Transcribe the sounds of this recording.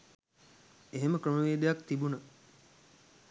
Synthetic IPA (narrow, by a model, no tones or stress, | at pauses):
eɦeməkɾəməʋeːd̪ejakt̪ibunə